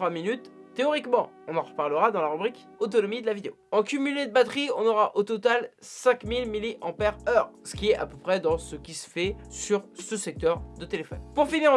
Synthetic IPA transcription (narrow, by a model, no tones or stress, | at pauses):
waminyt̪ː | eɔʁikmɑ̃ | ɔ̃nɑ̃ʁəpaʁləʁad̪ɑ̃laʁybʁik | ot̪̬ɔnɔmid̪əlavid̪eoɑ̃kʲymyled̪əbat̪χiɔ̃nɔʁaʔot̪ɔt̪alsɛ̃kmilmiliʔɑ̃pɛʁœʁsə̥kʲiɛa̰pøpχɛd̪ɑ̃səkʲisə̥fɛsyʁsəsɛk̚t̪œʁd̪ət̪elefɔnpuʁfiniʁ